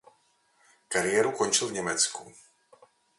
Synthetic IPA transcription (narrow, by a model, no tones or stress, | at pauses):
kaɾɪɛɾukɔɲt͡ʃilˠvɲɛmɛt͡sku